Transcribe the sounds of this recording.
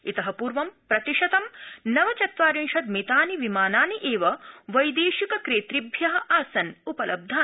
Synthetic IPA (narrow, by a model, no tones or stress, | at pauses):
it̪ɐɦɐpuːɾʋɐmpɾɐt̪iʂɐt̪ɐmnɐʋɐt͡ʃɐt̪ʋaːɾiŋʃɐt̪̚met̪aːniʋimaːnaːniʔeːʋɐʋɐjd̪eːʃikɐkɾeːt̪ɾibʱjɐɦɐ̆ʔaːsɐnupɐlɐb̚d̪ʱaː